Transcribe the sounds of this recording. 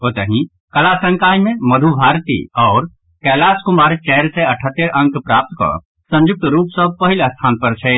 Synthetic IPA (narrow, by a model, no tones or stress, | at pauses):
oːt̪əɦĩ | kəlasə̃ŋkaːjmẽməd̪ʱubʱaːɾt̪ḭɔːɾ | kɛːlaːskʊmaːɾt͡ʃɛːɾseɐʈʰət̪ːeɾʔə̃ŋkpɾaːp̚t̪ko̰ | sə̃nd͡ʒʊk̚t̪ɾuːpsəb̚pɐɦɪləst̪ʰaːnpəɾt͡ʃʰe